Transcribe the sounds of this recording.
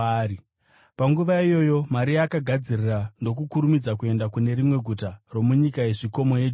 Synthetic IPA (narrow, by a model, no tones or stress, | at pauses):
paŋɡuʋaijo̞jo̞maɾijakaɡʱad͡zirirando̞kukuɾumid͡zakue̞ndakune̞ɾimwe̞ɡʱutaro̞muɲikae̞ʐiko̞mo̞je